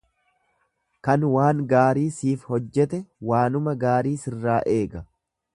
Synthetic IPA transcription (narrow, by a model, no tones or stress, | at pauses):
kɐnwaːŋɡaːɾiːsiːfhɔd͡ʒːɛt̪ɛwaːnʊmɐɡaːɾiːsɪrːaːʔe̞ːɡɐ